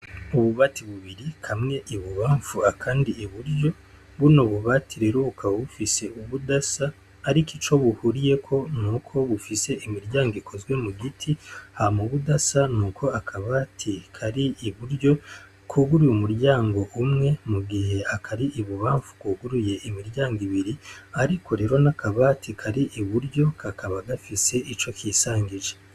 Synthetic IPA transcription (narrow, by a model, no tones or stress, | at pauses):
uβuβatiβuβiɾikʰamŋe̞ʔiβuβaːɱfuakʰaːndiːβuɾjo̞ | βunoβuβatʰiɾe̞ɾokʰaβufise̞ʔuβudasaː | ɾikit͡ʃo̞βuhuɾije̞kʰo̞nukʰo̞βufise̞ʔimiɾɟaːŋɡoikʰo̞zɡwe̞muɡitʰihamuβudasanuːkʰo̞akʰaβaːtʰikʰaɾiiβuɾɟo̞ | kʰuɡuɾujumuɾɟaːŋɡo̞ʔumŋe̞muɡihe̞akʰaɾiʔiβuβaːɱvu̥kwuːɡuɾuje̞ʔimiɾɟaːŋɡiβiɾiaɾikʰo̞ɾe̞ːɾo̞nakʰaβatʰikʰaɾiʔiβuɾɟo̞kakaβaɡafise̞ʔit͡ʃo̞kiːsaːɲɡiʒe